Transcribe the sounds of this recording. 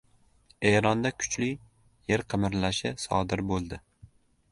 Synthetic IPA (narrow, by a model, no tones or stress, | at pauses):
eɾɒnd̪akʰʊ̥t͡ʃlɪ | jeɾqʰɨmɪɾlaʃɪsɒ̰d̪ɪɾbolˠd̪ɪ